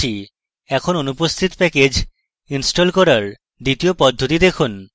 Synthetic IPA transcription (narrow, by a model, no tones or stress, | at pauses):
i | ɛkʰononupost̪ʰit̪pɛked͡ʑ | insʈolkɔɾaɾ | d̪it̪iopɔd̪ʱːot̪̬id̪ekʰun